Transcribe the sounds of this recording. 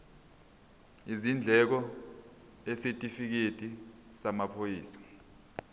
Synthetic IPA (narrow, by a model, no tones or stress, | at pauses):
izind͡ɮʱɛk̬ɔ | ɛsetʼifik̬etʼi | samapʰojiːsḁ